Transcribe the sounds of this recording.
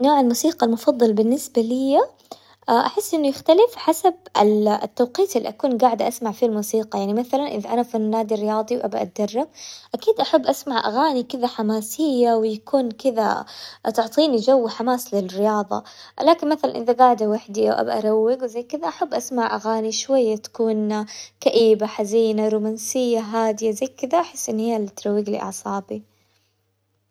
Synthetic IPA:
noːʕalmuːsiːqɑlmʊfɑðˤːɑlbɪnːɪsbalɪjːa | ʔaʔaħɪsːʔɪnːʊjɪxt̪alɪfħasab̚a̰t̪ːawqiːt̪ɪlːḭʔakuːnɡaːʕd̪ʔasmaʕfilmuːsiːqɑjaʕnimaθalanʔɪðʔanafinnːaːd̪irɪjɑːðˤiwʔabaʔa̰t̪̚d̪ɑrˤːɑb̚ʔakiːd̪ʔaħabːʔasmaʕʔa̰ɣaːnikɪðaħamaːsɪjːawɪjakuːnkɪða̰t̪ʊʕt̪ˤiːnid͡ʒawːħamaːslɪlrɪjɑːðˤɑ̰laːkɪnmaθala̰nʔɪðaɡaːʕd̪awaħd̪iʔa̰wʔa̰baʔaɾˤawːɪɡwzajkɪðaʔaħabːʔasmaʕʔaɣaːniʃwajːat̪ḁkuːnkaʔiːbaħaziːnaɾuːmansɪjːaɦaːd̪ɪjazajkɪðaʔaħɪsːʔɪnːhɪjːalit̪ɾˤɑwːɪɡlḭʔɑ̰ʕsˤɑːbi

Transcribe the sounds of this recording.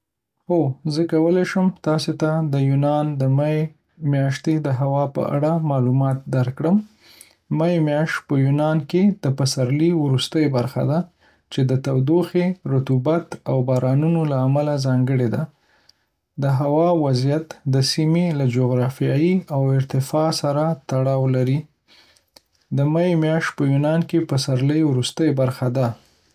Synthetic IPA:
ozəkawəlajʃəmt̪ɑset̪ad̪əjunɑnd̪əmae | mjɑʃt̪ed̪əɦawɑpə̰ʔa̰ɽamɑlumɑt̪̚d̪aɾkɽəm | majemjɑʃt̪̚pəjunɑnked̪̥əpasaɾliwɾust̪əjbaɾxa̰d̪a | t͡ʃed̪ət̪awd̪oxeɾʊt̪ubat̪awbɑɾʔɑnunolaːmalazɑŋɡəɽed̪a | d̪əɦawɑwazijat̪d̪əsimelad͡ʒoɣɾɑfijɑjiawɪɾt̪ɪfɑsaɾat̪aɽɑwlaɾi | d̪əmajemjɑʃt̪̚pəjunɑnkepəsaɾləjwɾust̪əjbaɾxad̪a

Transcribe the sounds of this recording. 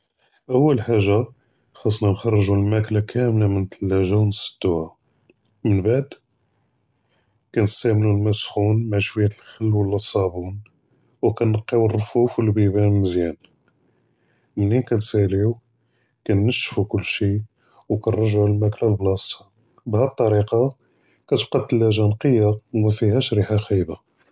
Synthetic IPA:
ʔəwːəlħaʒːa | xɑsˤnɑnxɑrˤːəʒulmæklakʰæmlamənt̪əlːæʒæwnəsˤə̥d̪ːuʕa | mənbaʕd̪ | kænəst̪æmnulmæsxunmaʕʃwəjæt̪lxəlːwəlːæsˤːɑbun | wkænːəqːiwərˤːfufwlbibæməzjæn | mnːinkænsæliw | kænːəʃfukʊlːʃi | wkænrˤɑʒʕlmæklælblɑsɑ̥ | bhæt̪ˤːɑɾiqɑ | kæt̪əb̚qɑd̪̚t̪əlːæʒænqəjːamæfihæʃɾiħaxijba

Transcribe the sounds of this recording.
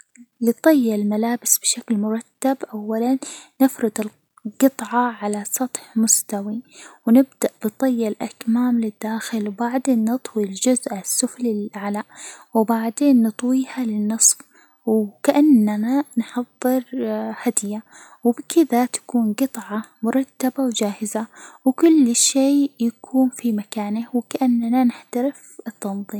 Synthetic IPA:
lɪt̪ˤɨjːalmalaːbɪsb̥ɪʃaklmʊɾˤɑt̪ːabʔawːalanːɪfɾɪd̪ɪl | ɡɨt̪ˤʕɑʕalasˤɑt̪ˤħmʊst̪awiwnɪb̚d̪aʔb̥ɨt̪ˤɨjːalʔakmaːmlɪd̪ːaːxɪlwbaʕd̪eːnːɨt̪ˤwild͡ʒʊzʔasːʊflɪlʕalaʔwbaʕd̪eːnːɨt̪ˤwiːhalɪnːɨsˤf | wkaʔanːananħɑðˤːɨɾhad̪ɪja | wɪbɪkʰɪðat̪ḁkuːnɡɨt̪ˤʕɑmʊɾˤɑt̪ːabawd͡ʒaːhɪzawɪkʊlːʃeːjakʰuːnfimakaːnɪwɪkaʔanːnanɪħt̪aɾɪfɪt̪ːɑnðˤiːm

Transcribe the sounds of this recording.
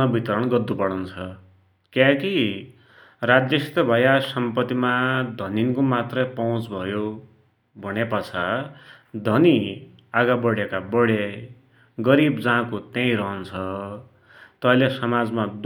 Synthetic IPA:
ʌbʱit̪ʌɾʌɳɡʌd̪ːupʌɽʌnt͡sʰʌ | kjãki | rad͡zjʌst̪ʌbʱʌjasʌmpʌt̪imad̪ʱʌninkomat̪rʌpʌũt͡sbʱʌjo | bʱʌnepʌt͡sʰa | d̪ʱʌni | aɡabʌɽjekabʌɽe | ɡʌɾibd͡zaãkot̪jãĩɾʌɦʌnt͡sʰʌ | t̪ʌɦʌlesʌmad͡zmad̪

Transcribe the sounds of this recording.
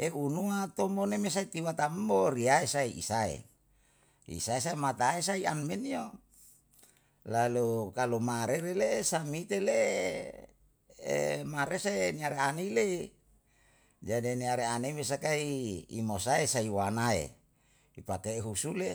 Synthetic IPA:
ʔeunuat̪omonemes̬ait̪iwat̪amboɾiaesaiḭsaḛ | ḭsaes̬aemat̪aes̬aianmenio | lalukalumaɾeɾelesamit̪ele | ḛmaɾesaeniaɾeaneilei | d͡ʒadiniaɾeaneimes̬akaḭːmosaesaiwanaḛ | ipakeɦusule

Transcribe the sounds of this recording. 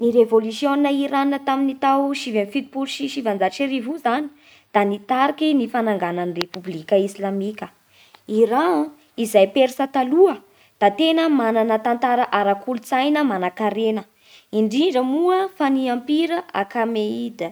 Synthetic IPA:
niɾevolusjoninəiɾaninət̪aminit̪awʃivenfit̪ipulʃiʃivand͡zaʈ͡ʂiɾivuzani̥ | d̪̥anit̪aɾikinifanaŋɡananirepublikʲəisilamikʲə | iɾa | izajpeɾisət̪aluə | d̪̥at̪enəmananət̪ant̪aɾaʔaɾakulut͡sajnəmanakaɾenə | iɳɖ͡ʐiɳɖ͡ʐəmuəfaniampiɾəa̰kameid̪ə

